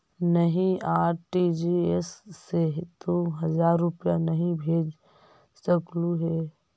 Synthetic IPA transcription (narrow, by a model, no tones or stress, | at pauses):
nəɦĩaːɾʈid͡ʒiesːeɦt̪oɦɐzaːɾːʊpijanɐɦĩbʱeːd͡ʒ | səkluɦeː